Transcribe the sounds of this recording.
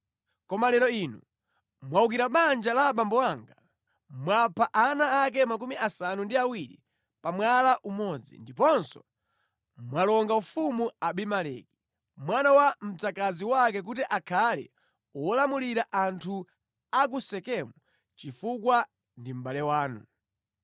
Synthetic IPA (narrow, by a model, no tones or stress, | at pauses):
kɔmalɛɾɔinṵ | mwauk̬iɾaɓand͡ʒalaɓambɔwaŋɡa | mwapʰaʔanaːk̬ɛmak̬umiʔasanundiawiɾḭ | pamwalaʔumɔd͡zḭndipɔnsɔ̰ | mwalɔŋɡaufumuaɓimalɛ̰ki̥ | mwanawam̩t͡sakaziwakɛk̬utiʔakʰalɛ̰ | ɔlamuliɾaʔantʰu | ak̬usɛkɛmu | t͡ʃifukwa | ndim̩ɓalɛwaːnṵ